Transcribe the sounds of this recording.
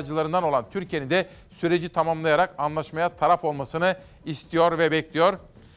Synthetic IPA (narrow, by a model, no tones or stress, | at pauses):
d͡ʒɯlˠaɾɯnd̪ano̞lˠant̪ʰyɾcʰije̞nind̪ɛ | syɾe̞d͡ʒit̪ʰamamlˠajaɾakanlˠaʃmajat̪ʰaɾafo̞lˠmasɯnɯ | ist̪ʰijo̞ɾvɛbɛclʲijo̞ɾ